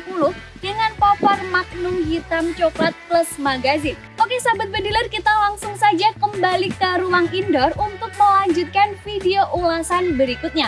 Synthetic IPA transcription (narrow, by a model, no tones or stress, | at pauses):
pulʊh | dəŋanpɔpɔrmak̚nʊŋɦit̪amt͡ʃoklat̪̚kləsmaɡazɪn | ʔokesabat̪̚bədilarkit̪alaŋsʊŋsad͡ʒakəmbalikəɾuwaŋindɔrunt̪ʊk̚məlaɲd͡ʒut̪̚kanfidioʔulasanbəɾikʊt̪̚ɲa